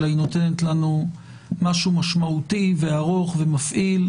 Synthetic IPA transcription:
lajino̞te̞netlanu | maʃumaʃmaut̪iveaʁo̞χve̞mafʔil

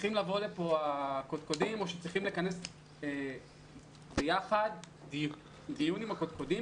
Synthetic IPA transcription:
iχimlavo̞lepo̞akod̪̚kodimo̞ʃet͡sʁiχimlekane̞s | e | bejaχad̪ | d̪ijunimhakot̪̚kodim

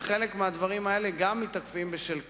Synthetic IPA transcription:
χelekmead̪vaʁimae̞le̞ɡamːit̪akfimbeʃelk

